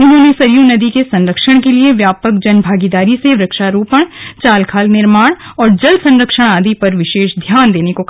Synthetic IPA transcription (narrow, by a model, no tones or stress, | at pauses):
ʊnɦõːnesɐɾijunɐd̪ikesɐ̃nɾəkʃəɽ̃kelieʋjaːpək̚d͡ʒɐnbʱaːɡid̪aːɾiseʋɾɐkʃaɾuːpəɽ̃t͡ʃaːlkʰaːlnɪɾmaːɽ̃ɔːɾd͡ʒɐlsɐ̃nɾəkʃəɽ̃aːd̪ʱipɐɾʋɪʃeːʃd̪ʱjaːnd̪eːnekok